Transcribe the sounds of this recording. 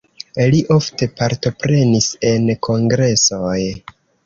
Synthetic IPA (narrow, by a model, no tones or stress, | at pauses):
liʔo̞fte̞paɾto̞pɾe̞nise̞nkʰo̞ŋɡɾe̞so̞j